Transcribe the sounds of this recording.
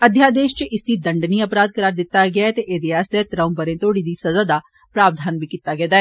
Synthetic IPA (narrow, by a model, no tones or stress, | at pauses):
əd̪ʱjaːd̪eːʃt͡ʃəɪsd̪iːd̪əɳɖniːəpɾaːd̪̚kəɾaːɾd̪ɪt̪ːaːɡɪaɛt̪eːʔed̪eːaːst̪eːt̪ɾəʊmpəɾẽːt̪oːɽiːd̪iːsəzaːd̪aː | pɾaːʋd̪ʱaːnbiːkiːt̪aːɡɛd̪aːɛː